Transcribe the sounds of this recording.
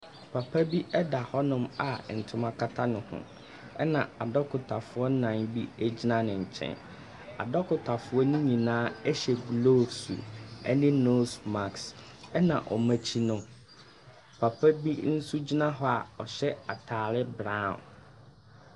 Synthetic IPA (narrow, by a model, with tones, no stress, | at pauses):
pʰa˨pʰa˦bi˦ʔɛ˦da˨hɔ˦nʊ̃˦˨ma˨n̩˨tʰʊ˦mã˦kʰa˦tʰa˦nʊ̃˨hʊ̰̃˦ | ɛ˦nã˨a˨dɔ˦kʰʊ˨tʰa˨fʊ˨ɔ˦nã˨ŋbi˦ɛ˦d͡ʑi˦nã˦nɪ̃˨ɲ̩˨t͡ɕʰɛ̰̃˦˨n | a̰˨dɔ˦kʰʊ˨tʰa˨fʊ˦ɔ˦nʊ̃˦ɲĩ˨nãː˦ɛ˦ɕɛ˨ɡlo˦sṵ˨ɛ˦nɪ̃˦no˦sma˨ks | ɛ˦nã̰˨ʔɔ̰˨mæ̃˨t͡ɕʰi˦nʊ̃˦ | pʰa˨pʰæ˦bi˦n̩˦su˦d͡ʑi˦nã˦ɦɔ˦a˨ɔ˨ɕɛ˦a˨tʰaː˨ɾɪ˦bɾã˦˨